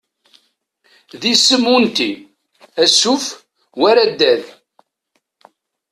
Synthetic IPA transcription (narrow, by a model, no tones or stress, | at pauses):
ðisəmunt̪i | æsːuf | wæɾæd̪ːæð